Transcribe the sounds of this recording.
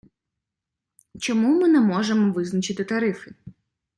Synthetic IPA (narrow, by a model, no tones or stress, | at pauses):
t͡ʃɔmumɪnɛmɔʒemɔʋɪznɐt͡ʃɪt̪ɪt̪ɐɾɪfɪ